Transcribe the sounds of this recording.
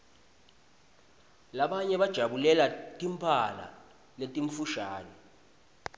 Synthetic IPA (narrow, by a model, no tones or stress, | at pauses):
laɓaɲɛɓad̥ʒ̥ʱaɓulɛlatʼimpʰala̰ | letʼiɱfuʃaːnɔ